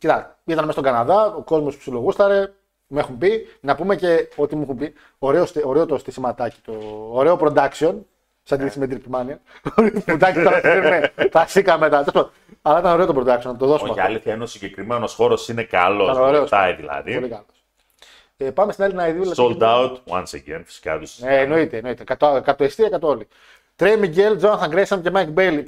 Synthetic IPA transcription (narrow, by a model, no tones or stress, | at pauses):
cit̪ɐ | it̪ɐnmestoɡɐnɐðɐoko̞zmospsiloɣust̪ɐɾe̞ | mue̞xumbinɐpume̞ce̞o̞t̪imuexumbi | oɾe̞ost̪oɾeot̪ost̪isimɐt̪ɐci̥t̪oːɾe̞opɾod̪ɐksio̞n | sɐd̪iðisimed̪ɾipimɐniɐɾiud̪ɐksit̪ɐɐseɾmeθɐsikɐme̞t̪ɐt̪esipo | ɐlɐit̪ɐno̞ɾe̞o̞t̪opɾod̪ɐksionɐt̪oðo̞soomɐfɐo̰liθjɐenosiɲɟekɾimenosxo̞ɾo̞sinekɐ̰loɐnoɾeosɐjðḭlɐ̰ðiolikɐlos | epɐmest̪inelinɐiðiuilɐsolt̪aut̪wɐ̰nsḛɡḛnfi̥si̥kɐ̰t̪useːno̞it̪eːno̞it̪ekɐt̪okɐt̪oest̪iɐkɐt̪ooli | t̪ɾejmiɟeld͡zoɐnθɐɡɾesɐmcemɐkbeli